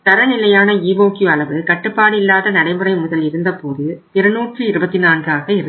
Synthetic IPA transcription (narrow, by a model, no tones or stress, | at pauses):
t̪ɐɾɐnɪlɐjaːnɐiːboːkjuɐɭɐʋɯkɐʈːɯpːaːɽɪlːaːðɐnɐɽɐɪmɯɾɐɪmʊðɐlɪɾɯnd̪ɐpoːðɯ | ɪɾɐnuːʈrɯɪɾɯbɐt̪ːɪnaːnɡaːɣɐɪɾɯ